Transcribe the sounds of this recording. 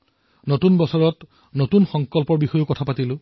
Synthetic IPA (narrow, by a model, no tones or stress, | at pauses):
notunbɔsɔɹɔt | notunxɔŋkɔlpɔɹbixɔjʊkɔtʰapatilʊ